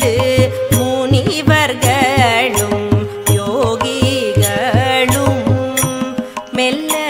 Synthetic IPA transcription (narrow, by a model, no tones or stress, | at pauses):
ðɯmuːniʋɐɾɣɐɭɯm | joɣiɣɐɭɯm | mɛlɐ